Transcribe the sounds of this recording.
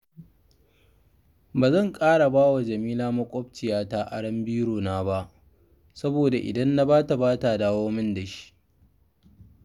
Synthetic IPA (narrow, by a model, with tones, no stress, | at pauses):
baː˨zɐ˦˨ŋkʼaː˦ɽa˨baː˦wa˨d͡ʒɐ˨miː˦laː˦mɐ˦kʷʼɔ˦b̚t͡ʃɪ˨jaː˦ta˦ʔa˦ɽɐ˦mbiː˦ɽoː˨naː˦ba˦ʔ | sɐ˦boː˨da˨ʔɪ̰˨dɐ˦nːa˦baː˦ta˨baː˦ta˨daː˦woː˦mɪ˦nda˨ʃi̥˦ʔ